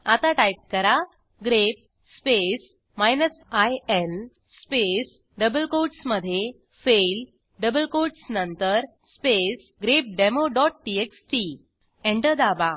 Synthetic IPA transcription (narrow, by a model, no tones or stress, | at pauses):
at̪aʈajp̚kəɾa | ɡɾep̚ | spes | majnəsajel | spes | ɖəbəlkoɖsməd̪ʱːje | fel | ɖəbəlkoɖsnənt̪əɾ | spes | ɡɾep̚ɖemoɖɔʈ̚ʈieksʈi | ẽɳʈəd̪aba